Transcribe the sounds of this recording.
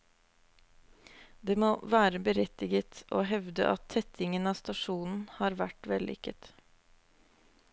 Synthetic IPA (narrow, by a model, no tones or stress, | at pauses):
d̪eːmoːʋæːɾəbəɾɛt̪ɪɡət̪ʔo̰ːɦɛʋd̪ə̰ʔɑ̰t̪ʰːɛt̪ʰɪŋənɑːst̪ɑʂuːnn̩hɑːɾʋæʈʋɛlʔɪ̰kət̪